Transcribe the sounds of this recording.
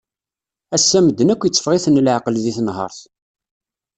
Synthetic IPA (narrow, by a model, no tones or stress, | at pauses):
æsːæməd̪ːənækʷːjət͡sːə̥fʁiθənlʕqəlðiθnɦə̰ɾˤθ